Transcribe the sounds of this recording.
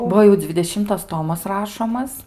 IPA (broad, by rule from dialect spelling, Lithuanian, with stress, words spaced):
ˈbuɔ jɛʊ d͡zʲʋʲɪdʲɛˈʃʲɪmtɐs ˈtoːmɐs ˈrɑːʃoːmɐs